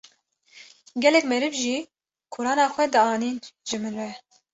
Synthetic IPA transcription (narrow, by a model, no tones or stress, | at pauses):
ɡʲɛlɛkmɛɾɨvʒiː | kʰʊɾɑːnɑːxʷɛd̪ɨɑːniːnʒɨmɨnɾɛ